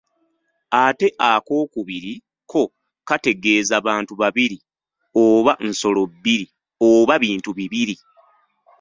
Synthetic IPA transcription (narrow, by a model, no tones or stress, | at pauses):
ate̞ʔako̞ːkuβiɾi | kʰo̞ | kate̞ɡe̞ːzaβaːntuβaβiɾi | oβanso̞lo̞bːiɾi | oβaβiːntuβiβiɾi